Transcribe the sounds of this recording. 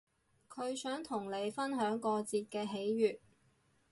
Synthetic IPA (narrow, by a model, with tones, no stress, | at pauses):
kʰɵ˨˧ɥsœː˨˥ŋt̪ʰʊ˨˩ŋle˨˧jfɐ˥nɦœː˨˥ŋkɔː˧t͡siː˧t̚kɛː˧ɦe˨˥jɥyː˨t̚